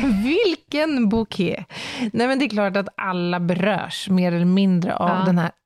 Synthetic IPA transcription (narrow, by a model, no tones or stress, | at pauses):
vɪlkənbuːkʰɛːnɛmɛnd̪ɛɛkʰlɑːʈat̪ʔalːabɛɾœ̰ːʂmeːɾɛlɛəɾmɪnd̪ɾə̰ʔavd̪ɛnhæː